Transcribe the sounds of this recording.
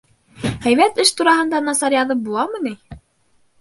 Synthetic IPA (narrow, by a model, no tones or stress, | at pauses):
hæjβæt̪ɘʃt̪uɾɑhɤ̆nd̪ɑnɑsɑɾjɑðɤp̚bulˠɑmɤ̆ni